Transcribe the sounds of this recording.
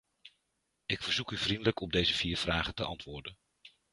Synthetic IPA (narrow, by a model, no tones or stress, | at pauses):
ɪkfəɹzukyvrindələkʰɔb̚dejzəviːɹv̥raːχəntəɑntʋʊːɹdən